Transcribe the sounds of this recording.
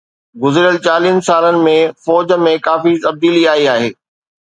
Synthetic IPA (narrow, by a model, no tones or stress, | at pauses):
ɡʊzɾijəlt͡ɕaːliənɪ̆saːlənɪ̆mẽfɔːd͡ʑmẽkaːfiːt̪ɐb̚d̪iːliaːiaːɦeː